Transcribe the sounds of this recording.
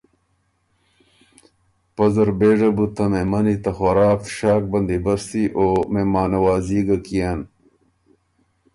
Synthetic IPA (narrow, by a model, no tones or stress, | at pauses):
pɐzɐɾbeːʐɐbut̪ɐmemɐnit̪ɐxɐɾaːkɕaːk̚bɐnd̪ibɐɾsiʔoːmemaːnɐwaːziːɡɐkijan